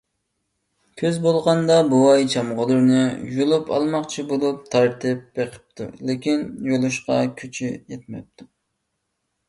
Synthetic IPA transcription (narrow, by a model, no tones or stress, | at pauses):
kʲʰøzbolˠʁɑnd̪ɑbuwɑjt͡ʃʰɑmʁʊlˠɨɾnɨjulˠupɑ̰lˠmɑqt͡ʃʰibolˠup̚t̪ʰɑɾt̪ɪp̚b̥eqʰə̥p̚t̪ʰṵlɪkʲinjolˠuʃqɑkʲʰyt͡ʃʰyjɛt̪̚mɛ̰p̚t̪ʰu